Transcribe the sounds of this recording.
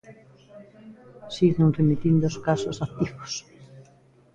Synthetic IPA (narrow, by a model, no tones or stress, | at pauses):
siɣnẽŋremit̪ind̪oskasosat̪iɣo̥s